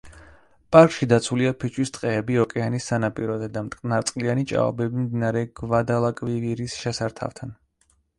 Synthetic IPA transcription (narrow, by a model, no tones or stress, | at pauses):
pʼaɾkʼʃid̪at̪sʰuliapʰit͡ʃʰʼwist̪ʼqʼɛːbiɔkʼɛanisːanapʼiɾɔzɛd̪amt̪ʼkʼnaɾt̪sʼqʼlianit͡ʃʼa̰ɔ̰bɛbimd̪inaɾɛɡ̥vad̪alˠakʼviviɾisʃɛsaɾt̪ʰa̰ft̪ʰan